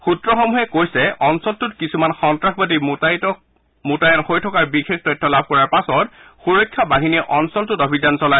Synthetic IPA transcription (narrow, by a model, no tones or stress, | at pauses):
xutɹɔxɔmuɦɛkojsɛʔɔnsɔltʊtkisumanxɔntɹaxbat̬i | mutajanxojtʰɔkaɹbixextɔjtʰːɔlab̚ʱkɔɹaɹpasɔtxuɹɔjkʰːabaɦiniɛʔɔnsɔltʊtobʱizansɔla